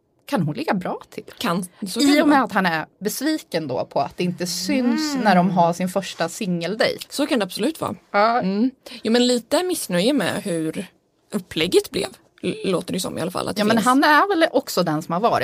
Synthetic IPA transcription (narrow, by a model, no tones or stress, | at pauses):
kʰanɦʊnlɪɡːabɾɑːt̪ʰɪlkʰansɪʊmɛat̪ɦanæɾbɛsviːkənd̪o̰ːpʰɔa̰t̪̚d̪ɛɪnt̪əsʏnsnæɖɔmɦaʂɪnfœʂʈasɪŋːəld̪ɛ̰jsɔkʰand̪ɛabsɔlʉ̟ːt̪vɑ̰ːɑːjuːmɛnliːt̪əmɪsnœjəmɛ̰hʉɾ | ɵpːlɛɡːət̪blɛ̰v | loːt̪əd̪ɛjsɔ̰mɪ̰alafa̰lʔa̰t̪jːmɛnɦanːæɾvɛlɔksɔd̪ɛnsɔmhaɾvɑːɾɪ̰